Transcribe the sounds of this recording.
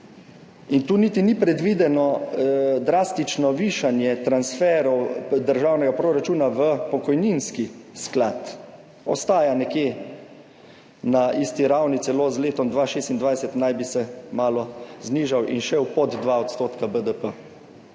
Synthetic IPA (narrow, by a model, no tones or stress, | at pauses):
int̪uːnit̪inipɾɛd̪ʋiːd̪ɛnɔ | d̪ɾaːst̪it͡ʃnɔʋiːʃanjɛt̪ɾansfɛːɾɔwd̪əɾʒaːwnɛɡapɾoɾat͡ʃuːnaʋəpɔkɔjninskisklat̪ | ɔ̰st̪aːjanɛkjeː | naʔist̪iɾawnit̪sɛloːzleːt̪ɔmd̪ʋaːʃeːst̪ind̪ʋajsɛt̪najbisɛmaːlɔzniːʒawʔḭnʃɛwpɔd̪d̪ʋaɔt̪st̪oːt̪kabəd̪əpə